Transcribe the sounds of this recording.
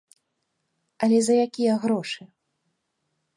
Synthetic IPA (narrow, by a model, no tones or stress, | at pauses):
ɐlʲɛzɐjakʲijɐɣɾɔʂɨ